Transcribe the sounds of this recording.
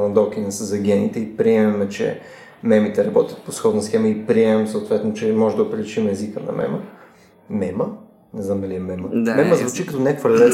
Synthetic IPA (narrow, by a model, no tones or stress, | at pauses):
ɐnd̪ɔk̟inɐsəzɐɡʲɛnit̪ɛipɾiɛmɛmɛt͡ʃɛ̰ | mɛmit̪ɛɾɐbɔt̪ʲjə̥t̪̚posxɔd̪nɐsxɛməipɾiɛmɛmsoot̪vɛt̪not͡ʃɛmɔʒɛd̪ɐopɾɛlit͡ʃimɛɛzikənɐ̰mɛ̰mə | mɛmə | nɛzamd̪ɐliɛmɛməd̪mɛməzvut͡ʃikət̪onʲɛkfəɾlɛ